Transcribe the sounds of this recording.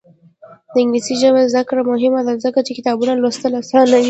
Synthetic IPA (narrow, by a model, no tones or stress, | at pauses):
d̪̥əɪŋɡlisiʒəmezd̪əkɾamʊɦɪmad̪azəkat͡ʃekɪt̪ɑbunalost̪əlasɑnawi